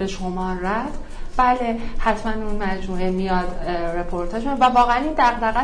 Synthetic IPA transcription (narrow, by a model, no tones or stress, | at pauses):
be̞ʃo̞mɒːræd | b̥æːlehæt̪ʰmænunmæd͡ʒmuːemijɒːd̪ɾepʰo̞ɾt̪ʰeɾmijɒd̪vævɒːɣeæniːnd̪æɣd̪æɣæ